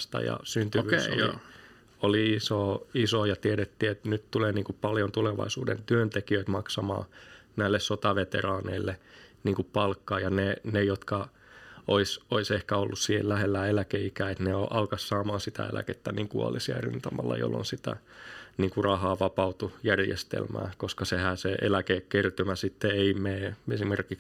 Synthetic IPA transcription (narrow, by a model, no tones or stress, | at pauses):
st̪ɑ̰jɑ̰synt̪yʋyːo̰ḭ | oliisoːisoːjɑt̪ieɾet̪ːiːet̪nyt̪t̪uleːniːŋkuppɑljont̪uleʋɑ̰isuːdḛnt̪yønt̪ekiøit̪mɑksɑmɑ̰ː | næilːessot̪ɑʋet̪ḛrɑːnḛilːeniːŋkuppɑlkːɑːjɑnenejot̪kɑ | oisoisehkæolːussiːhḛllæhelːæelækeikæːet̪neoʔɑlkɑssɑːmɑːsit̪æ̰ḛlæ̰ket̪ːæniːŋkuɑ̰lisiɑry̰nt̪ɑmɑ̰lːɑ̰jo̰lːo̰nsit̪æ̰niːŋkurɑhɑːʋɑpɑut̪ujærjḛst̪ḛlmæ̰ːkoskɑsehæːseḛlækeːkkert̪ymæsit̪ːeeimeːesimerkik